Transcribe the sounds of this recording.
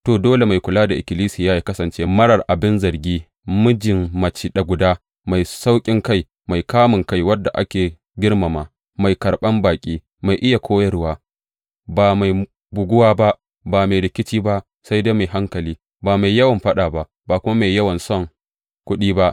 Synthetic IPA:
toː˨doː˦le˨ma˨jkʷʊ˨laː˦da˨ʔɪ˨kʲɪ˨liː˦siː˨jaː˦ji˨kɐ˦sɐ˨nt͡ʃe˦mɐ˦ɽɐ˨rʔa˨bɪ˦nzɐ˨rɡʲiː˦ | mʊ˦d͡ʒɪ˨mmɐ˨t͡ʃi˦ɗa˨ɡʷʊ˨daː˦ | ma˨jsa˦wkʲʼɪ˦ŋka˦˨j | ma˨jkaː˦mɪ˨ŋka˦jwɐ˦dːa˨ʔa̰˦kʲeː˨ | ɡʲɪ˦ɽma˨maː˨ | ma˨jkɐ˨ɽɓɐ˦mbaː˨kʲʼiː˦ | ma˨jʔɪ˦ja˨kʷʰoː˦jɐ˦ɾʊ˦waː˦ | baː˨ma˨j | bʊ˨ɡʷʊ˦waː˦ba˦ʔ | baː˨ma˨jɾɪ˨kʲɪ˦t͡ʃiː˦ba˦ʔ | sa˦jda˦ma˨jɦa˦ŋkɐ˨liː˦ | baː˨ma˨jjɐ˦wɐ˨mɸɐ˦ɗaː˨ba˦ʔ | baː˨kʷʊ˦ma˦ma˨jːɐ˦wɐ˨nsɔ˦ŋ | kʷʊ˦ɗiː˦ba˦ʔ

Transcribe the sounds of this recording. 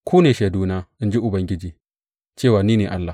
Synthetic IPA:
kʰʷuː˦ne˨ʃe˨duː˦na˦ʔi˦nd͡ʒi˦ʔʊ˨bɐ˦ŋɡʲɪ˦d͡ʒiː˨ | t͡ʃeː˦˨waː˨niː˦neː˨ʔa˦lːa˨

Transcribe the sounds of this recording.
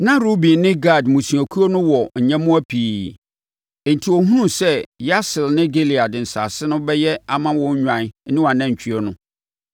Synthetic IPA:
nã˦ɾo˦bĩ˨˦nɪ̃˦ɡa˦˨dmũ˨sũ˨æ˨kʰu˦ɔ˦nʊ̃˦wɔ˨ɲ̩˨ɲɛ̃˦mʊ̃˦æ˦pʰiː˨ | n̩˨tʰi˨wɔ˨ɦũ˦nũ˦sɛ˦ja˦sɪ˨lnɪ̃˦ɡe˦li˨a˨dɪ˨n̩˨sa̰˨sɪ˦nʊ̃˦bɛ˦jɛ˦a˨mã˦wɔ̃˦ɲ̩˦ɲᶣã˨n˦nɪ̃˦wa˨nã˦˨ɲ̩˨t͡ɕᶣʰi˦ɛ˦nʊ̃˦

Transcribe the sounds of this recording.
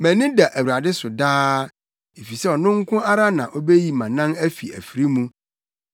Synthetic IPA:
mæ̃˨nɪ̃˦da˨ʔæ˨wu˨ɾa˨dɪ˦sʊ˨daː˦ | e˨fi˨sɛ˦ɔ˨nʊ̃˦ŋ̩˦kʰʊ̃˦a˦ɾa˦nã˨ʔɔ˦be˦ji˨mã˨nã˦næ˦fi˨æ̰˨fi˨ɾi˦mũ˦

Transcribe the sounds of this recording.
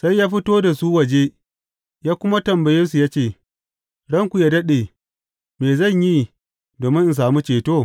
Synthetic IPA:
sa˦jːaː˦ɸi˦toː˦da˨su˦wɐ˨d͡ʒe˦ | jaː˦kʷʊ˦ma˦tɐ˨mbɐ˨jɐ˦ns̬u˨jaː˦t͡ʃeː˦˨ | ɽɐ˦ŋkʷu˨jaː˦dɐ˦ɗeː˨ | meː˨zɐ˦˨ɲji˦ | doː˨mɪ˦nʔ̩˨s̬aː˨mu˦t͡ʃeː˨toː˦˨

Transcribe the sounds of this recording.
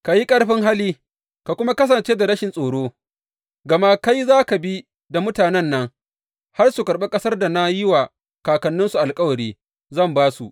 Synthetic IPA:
ka˨ji˦kʼɐ˦ɽɸɪ˦ŋɦa˦liː˦ | ka˨kʷʊ˦ma˦kɐ˦s̬ɐ˨nt͡ʃeː˦da˨ɾɐ˦ʃɪ˨nsʼoː˨ɽoː˦ | ɡɐ˨ma˦ka˦jzaː˦ka˨bi˦ | da˨mʊ˦taː˨nɛ˦nːɐ˦ŋ | ha˦rsu˨kɐ˨ɾɓe˦kʼɐ˦sɐ˦rda˨na˦jɪ˦waː˨ | kaː˨kɐ˨nːʊ˦nsu˨ʔa˨lkʼɐ˦wɐ˨ɾiː˦ | zɐ˦˨mbaː˦su˨ʔ

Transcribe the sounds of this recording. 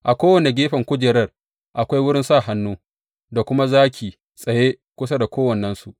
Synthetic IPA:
ʔa˨kʷoː˦wɐ˨ne˨ɡʲeː˦ɸɐ˨ŋkʷʊ˦d͡ʒɪː˨ɾɐ˦˨r | ʔa˨kʷa˦jwʊ˦ɽɪ˦nsaː˦˨ɦa˦nːuː˦ | da˨kʷʊ˦ma˦zaː˦kʲiː˨ | sʼɐ˨jeː˦ | kʷʊ˦sa˦da˨kʷoː˦wɐ˨nːɐ˦nsu˨ʔ

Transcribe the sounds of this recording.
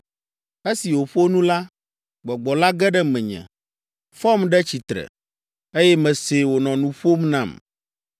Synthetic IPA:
e˦si˨wo˨ɸo˦nũ˦la˦ | ɡ͡bɔ˨ɡ͡bɔ˨la˦ɡɛ˦ɖɛ˦mɛ̃˨ɲɛ̰̃˨ | fɔ˦mɖɛ˦t͡ɕi˨t̪ɾɛ̰˨ | e˦jɛ˦mɛ̃˨se˨wo˨nɔ̃˨nũ˨ɸo˦mnã˦˨m

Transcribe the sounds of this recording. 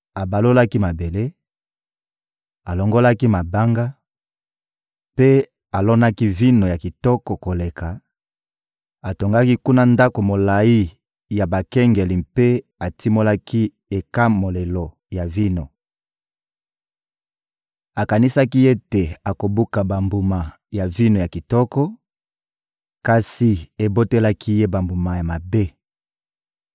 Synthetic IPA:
a˨ba˨lo˦la˦ki˦ma˨be˨le˦ | a˨lɔ˨ŋɡo˦la˦ki˦ma˨ba˦ŋɡa˦ | pe˦ | a˨lɔ˦na˦ki˦vi˦no˨ja˨ki˨tɔ˦kɔ˨ko˨le˨ka˨ | a˨to˨ŋɡa˦ki˦ku˦na˦nda˦ko˨mo˨la˨i˦ | ja˨ba˨kɛ˦ŋɡe˨li˨mpe˦ | a˨ti˦mo˦la˦ki˦ | e˨ka˦mo˨le˨lo˨ | ja˨vi˦no˨ | a˨ka˨ni˦sa˦ki˦je˦te˨a˨ko˨bu˦ka˨ba˨mbu˨ma˨ | ja˨vi˦no˨ja˨ki˨tɔ˦kɔ˦ | ka˨si˨e˨bo˦te˦la˦kʰi˦je˦ba˨mbu˨ma˨ja˨ma˨be˦

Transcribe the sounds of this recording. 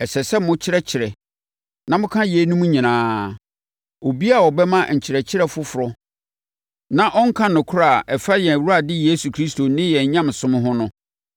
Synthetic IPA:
ɛ˨sɛ˨sɛ˦mʊ̃˦t͡ɕʰɪ˦ɾɛ˦t͡ɕʰɪ˨ɾɛ˨ | nã˦mʊ̃˦kʰã˦je˨˦nũ˦mũ˦ɲĩ˨nãː˨˦ | o˨bi˦a˦˨wɔ˨bɛ˦mã˦˨ɲ̩˨t͡ɕʰɪ˨ɾɛ˨t͡ɕʰɪ˦ɾɛ˦˨fʊ˦fʊ˨ɾɔ˦ | nã˨ʔɔ˦ŋ̩˦kʰã˦nʊ̃˨kʰʊ˦ɾa˦˨ʔɛ˨fa˦jɛ˨æ˨wu˦ɾa˨dɪ˦jeː˦su˨kʰɾi˦sto˨nɪ̃˦jɛ˨ɲ˨ɲã˦m˨sʊ̃˦m̃˦ɦʊ̃˦nʊ̃˦

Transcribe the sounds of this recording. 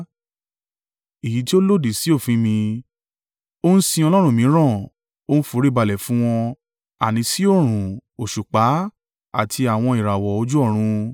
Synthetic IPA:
i˨ji˨˦ti˦o˦lo˦˨di˨si˨˦o˦˨fĩ˧˦mĩ˧ | o˦n̩˦sĩ˧ɔ˧lɔ˦ɾ̃ũ˦˨mĩ˨˦ɾ̃ã˦˨ | o˦n̩˦fu˨˦ɾi˦˨ba˧˨lɛ˨fũ˦w̃ɔ̃˧ | a˨nĩ˧˦si˦o˦˨ɾ̃ũ˨o˨ʃu˨k͡pa˨˦ | a̰˦˨tʰi˧a˨w̃ɔ̃˧i˨ɾa˨wɔ˨o˧˦d͡ʒu˦ɔ˦˨ɾ̃ũ˧

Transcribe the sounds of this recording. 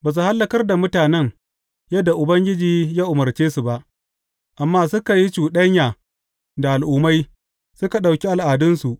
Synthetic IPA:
baː˨s̬u˨ha˦lːɐ˨kɐ˦rda˨mʊ˦taː˨nɛ˦ŋ | jɐ˦dːa˨ʔʊ˨bɐ˦ŋɡʲɪ˦d͡ʒiː˨jaː˦ʔʊ˨mɐ˨rt͡ʃeː˦su˨ba˦ʔ | ʔa˨mːaː˦sʊ˦ka˨ji˦t͡ʃuː˨ɗɐ˦ɲjaː˨ | da˨ʔa˨lʔʊː˦ma˦j | sʊ˦ka˨ɗa˨wkʲi˦ʔa˨lʔaː˨dʊ˦nsu˨ʔ

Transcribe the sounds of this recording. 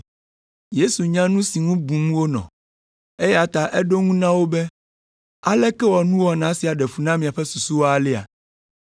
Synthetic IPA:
je˦su˨ɲã˦nũ˦si˨ŋũ˦bũ˨mũ˦wo˦nɔ̰̃˨ | e˦ja˨t̪a˨ʔɛ˦ɖo˦ŋũ˦nã˦wo˦bɛ˦ | a̰˨lɛ˦kɛ˦wɔ˨nũ˦wɔ˦nã˨˦si˨a˨ɖɛ˨fu˨nã˦mĩ˨a˨ɸɛ˦su˨su˦wo˦a˨lɛ˦a̰˨

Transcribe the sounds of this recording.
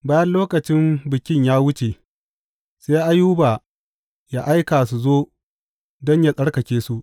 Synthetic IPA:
baː˦jɐ˦nloː˦kɐ˨t͡ʃɪ˦mbɪ˨kʲɪ˦ɲjaː˦wʊ˦t͡ʃe˨ | se˦ʔa˦juː˦baː˨ | ja˦ʔa˦jkaː˨su˨zoː˦ | dɔ˦ɲja˦sʼɐ˦ɽkɐ˨kʲeː˦su˦ʔ

